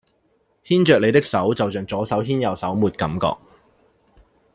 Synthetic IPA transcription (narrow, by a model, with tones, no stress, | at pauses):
hiː˥nt͡ʃœː˨le˨˧jt̪ɪ˥k̚sɐ˨˥wt͡sɐ˨wt͡ʃœː˨˩ŋt͡sɔː˨˥sɐ˨˥wɦiː˥njɐ˨˩wsɐ˨˥wmuː˨t̚kɐ˨˥mkɔ̰ː˧k̚